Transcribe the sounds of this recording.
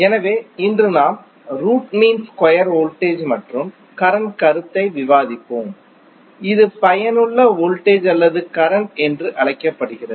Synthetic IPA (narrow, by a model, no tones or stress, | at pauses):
ɛnɐʋeːɪndrɯnaːm | ɾuːʈmiːnskɔjɐɾoːlʈeːd͡ʒmɐʈrɯm | kɐɾɐnkɐɾɯt̪ːɐɪʋɪʋaːðɪpːoːm | ɪðɯpɐjɐnɯɭːɐoːlʈeːd͡ʒɐlːɐðɯkɐɾɐnɛndrɯʔɐɭɐɪkːɐpːɐɽɯɣɪrɐðɯ